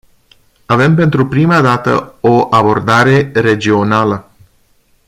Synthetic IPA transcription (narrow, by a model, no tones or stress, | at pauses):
ave̞mpe̞nt̪ɾupɾimad̪at̪ə̰oʔabo̞rd̪aɾe̞ɾe̞d͡ʒio̞nalə